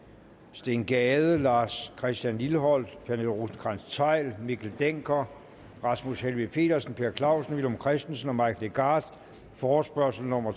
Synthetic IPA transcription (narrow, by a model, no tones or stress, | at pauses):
sd̥e̝nɡ̥ɛːðˠəlɑ̈ːskʰʁɛsd̥jænlilɦɒ̽l̰d̥pʰæɐnelʁusn̩kʰʁɑnst͡sʰɑ̈ɪ̰lmikʰl̩d̥eŋ̰ɡ̥ʰɐ | ʁɑ̈smushelʋipʰe̝̰ːd̥ɐsən̩pʰe̝ːɐkʰlɑ̈ʊ̰sən̩ʋilomkʰʁɛsd̥en̩sənɒ̽mɑ̈ɪkʰleɡ̥ɑ̈ːd̥ | fɒːsb̥ɶɐsl̩nɔ̽mɐ